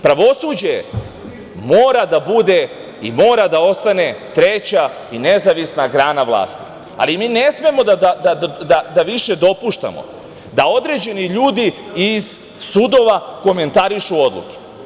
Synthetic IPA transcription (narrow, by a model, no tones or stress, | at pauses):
pɾaʋo̞suːd͡ʑe̞ | mo̞ːɾad̪abud̪e̞ | imo̞ːɾad̪ao̞st̪ane̞t̪ɾe̞t͡ɕa | ine̞zaʋisnaɡɾaːnaʋlˠa̰ːst̪i̥ | a̰limiːne̞sme̞mo̞d̪ad̪ad̪ad̪ad̪aʋiʃe̞d̪o̞puʃt̪a̰mo̰ | d̪ao̞d̪ɾe̞d͡ʑe̞niʎuːd̪iiz̥ | sud̪o̞ʋako̞me̞nt̪aɾiʃuo̞d̪lˠṵke̥